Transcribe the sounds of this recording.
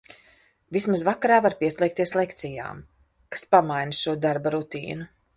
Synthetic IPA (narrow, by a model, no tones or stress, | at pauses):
vismazvakaɾaːvaɾpiɛslˠʲɛːk̚t̪iɛslˠekt̪sija̰ːm | kḁspamajnʃuɔd̪aɾbaɾut̪ḭːnu